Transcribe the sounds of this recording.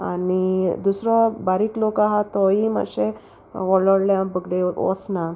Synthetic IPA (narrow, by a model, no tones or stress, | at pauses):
anid̪usɾɔbaɾiːklokaɦat̪ɔima̰ɕe | ʋɔɭɔɽljãbəɡleɔ̰sna